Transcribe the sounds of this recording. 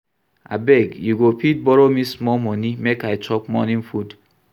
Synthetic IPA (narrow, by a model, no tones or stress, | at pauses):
a̰beɡjuɡopit̚bɔɾomismɔmɔnimekait͡ʃɔkmɔnĩɱ̩fud